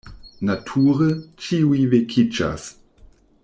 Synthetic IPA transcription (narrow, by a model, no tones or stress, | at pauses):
natʰuʁət͡ʃiujvekʰit͡ʃa̰s